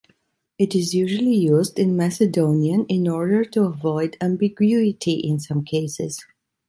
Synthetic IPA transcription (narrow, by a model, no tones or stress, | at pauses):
ɪɾɪzjuʒəl̩ˠijuzdɪ̃nmæsɨdõʊ̃niə̃nɪ̃nɔɹdə˞tuəvɔɪdæ̃mbiɡwuɪtʰiʔɪ̃nsʌ̃mkʰeɪsɪ̰z̥